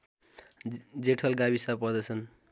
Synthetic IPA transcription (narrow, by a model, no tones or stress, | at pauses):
d͡zeʈʰʌlɡaβisapʌrd̪ʌt͡sʰʌn